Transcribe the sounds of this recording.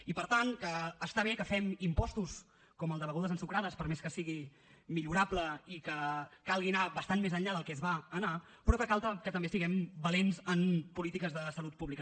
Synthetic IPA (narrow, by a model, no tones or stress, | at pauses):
ipəɾt̪ankəːst̪aβ̞ekəfɛmimpɔst̪us | kɔməlˠd̪əβəɣuðəzənsukɾaðəspəɾmeskəsiɣi | miʎuɾapləikəkalˠɣinaβəst̪anmezənʎaðəlˠkɛzβaːna | pɾɔkəkalˠt̪əkət̪əmbesiɣɛmbəlenzənpulit̪ikəzðəsəlut̪̚puβlikə